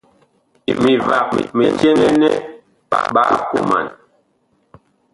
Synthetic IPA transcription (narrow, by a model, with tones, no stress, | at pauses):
mi˨va˨k̚mɛ˨tɛ˦nɛ˦nɛ˦ | ɓa̰˨ɓa˦˨lku˦ma̰˨n